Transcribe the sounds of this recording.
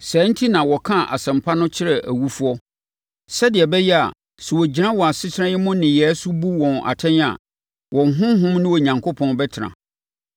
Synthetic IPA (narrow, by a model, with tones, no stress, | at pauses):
sɛ˨˦n̩˦tʰi˦nã˨wɔ˨kʰã˦˨ʔa̰˨sɛ̃˨mpʰa˦nʊ̃˦t͡ɕʰɪ˦ɾɛ˨ʔæ̰˨wu˦fu˦ɔ˦ | sɛ˦dɪ˨ɛ˨bɛ˦jɛ˦a̰˨ | sɛ˨wɔ˨d͡ʑi˨nã˦wɔ˨a˨sɪ˦t͡ɕʰɪ˦ɾã˦jɪ˦mʊ̃˦nɪ̃˨jɛ˨˦sʊ˦bu˦wɔ̃˨na̰˨tʰɛ̃˦n˦a̰˨ | wɔ̃˨ŋ˨ɦʊ̃˦ɦʊ̃˦mnʊ̃˦wɔ˨ɲã˨ŋkʰo˦pʰɔ̃˦nbɛ˦tʰɪ˨ɾã̰˨